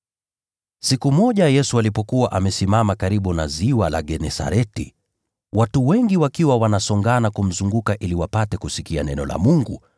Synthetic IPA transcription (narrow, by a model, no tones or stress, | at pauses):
sikumɔʄajɛsualipɔkuwaʔamɛsimamakaɾiɓunaziwala̰ɡɛnɛsa̰ɾɛti | watuwɛŋɡiwakiwawanasɔŋɡanakum̩zuŋɡukaʔiliwapatɛkusikianɛnɔla̰muŋɡṵ